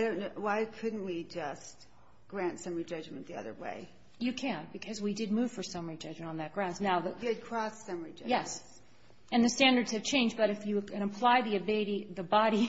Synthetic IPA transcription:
aɪɾõʊ̃nːwaɪkʰʊdⁿn̩twid͡ʒʌst̚ | ɡ̥ɹæ̃ntsʌ̃mɹid͡ʒʌd͡ʒmɨ̃nðiʌ̰ðə̰˞wḛɪ | jɨkʰæ̃nb̥ɨkʰʌzwidɨd̚mʉv̥fə˞sʌ̃mə˞id͡ʒʌd͡ʒmɨ̃ntn̩ðɨt̚ɡ̥ɹãʊ̃ndnaʊðəɨd̚kʰɹ̥ɔsːʌ̃mid͡ʒʌjɛs | ɨ̃nðɨstæ̃ndə˞dz̥ɨv̥t͡ʃʰẽɪ̃nd͡ʒbʌɾɨfjɨɨ̃nɨ̃mpʰl̥aɪðiɨbɪlˠɨɾiðɨbɑɾi

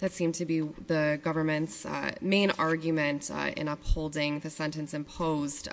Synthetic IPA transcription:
ðɨtsĩmtʰɨbiðɨɡʌvə˞mɨ̃ntsmẽɪ̃nɑɹɡjɨmɨ̃ntɪ̰̃nʌphoʊlˠdɪ̃ŋðɨsɛ̃ntɨ̃nsɨ̃mpʰoʊzd̥

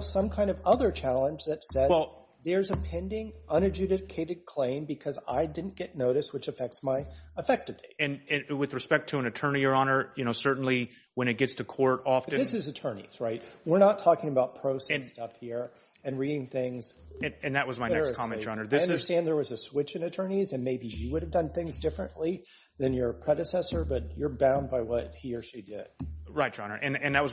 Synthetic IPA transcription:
sʌ̃mkʰãɪ̃ndʌvʌðə˞t͡ʃʰælˠə̃nd͡ʒðɨtsɛwɛlˠ | ðə˞zɨpʰɛ̃ndɪ̃ŋʔʌ̃ñɨd͡ʒʉɾɨkʰeɪɾɨd̚kʰl̥ẽɪ̃mbɨkʰʌza̰ɪdɪdⁿn̩ɡ̥ɛtⁿnoʊɾɨswɨt͡ʃɨfɛk̚tsmaɪəfɛk̚tɨvʰiɨ̃nɨ̃nwɨðɹɨspɛk̚tʰɨə̃nɨtʰɜ̃˞niə˞ɑnə˞jɨnoʊsɜ˞ʔn̩li | wə̃ñɨt̚ɡ̥ɛtstʰɨkʰɔɹɾɔfɨ̃ðɪsɨzɨtʰɜ̃˞nḭz̥ɹaɪt̚wɪɹnətʰɔkɪ̃ŋəbaʊt̚pʰɹ̥oʊsɛ̃stʌfhiɹ | ɨ̃nɹiɾɪ̃ŋθɪ̃ŋz̥ɨ̃ɨ̃nðɨt̚wʌzmaɪɛskʰɑmɛ̃d͡ʒɑ̃nə˞ðɪʌ̃də˞stæ̃nðə˞wʌzɨswɪt͡ʃɨ̃nɨtʰɜ̃˞nizɨ̃nmeɪbijɨwʊɾɨvdʌ̃nθɪ̃ŋzdɪfɹɨ̃nʔli | ðɨ̃njə˞pʰɹ̥ɛɾɨsɛsə˞bʌt͡ʃə˞bãʊ̃n̚baɪwʌt̚hiəʃidɪ̰d̥ɹaɪt̚d̥ʒ̥ɑ̃nə˞ʔɨ̃nɨ̃nðɨt̚wʌz

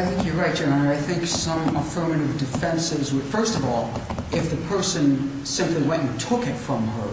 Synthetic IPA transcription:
aɪθɪ̃ŋkjə˞ɹaɪt̚d͡ʒ̥ɨnə̃nə˞aɪθɪ̃ŋksʌ̃məfɜ̃˞mɨ̃ɾʌvdɨfɛ̃nsɪzwəd̥fɜ˞stʌvɔlˠɪfðɨpʰɜ˞sɨ̃n | sɪ̃mpliwɛ̃nɨtʰʊkɨtfɹʌ̃mə̰˞

